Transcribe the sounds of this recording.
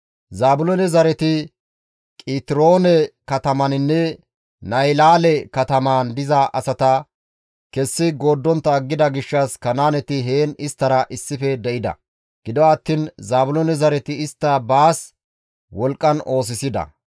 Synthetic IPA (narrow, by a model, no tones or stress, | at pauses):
zaːbʊlɔnɛzɐɾɛt̪ɪ | kʼiːt̪ɪɾo̞ːnɛkɐt̪ɐmɐnɪnːɛ | nɐjlaːlɛkɐt̪ɐmaːnd̪ɪzɐʔɐsɐt̪ɐ | kɛsːɪɡo̞ːd̪ːɔnt̪ːɐːɡːɪd̪ɐɡɪʃːɐskɐnaːnɛt̪ɪɦeːnɪst̪ːɐɾɐʔɪsːɪfɛd̪ɛʔɪd̪ɐ̰ | ɡ̥ɪd̪ɔwaːt̪ːinzaːbʊlonɛzɐɾɛt̪ɪɪst̪ːɐbaːs | wɔlkʼːɐno̞ːs̬ɪsɪd̪ɐ̰